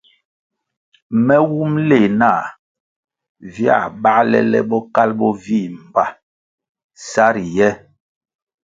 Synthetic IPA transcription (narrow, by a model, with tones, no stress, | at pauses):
mɛ˦wu˦mle˨na˦˨ | vja̰˦˨ɓa˦lɛ̰˦lɛ̰˦ɓɔ˦ka˦lbɔ˦vi˦˨m̩˨ba˨ | sa˦ɾi˨jɛ˦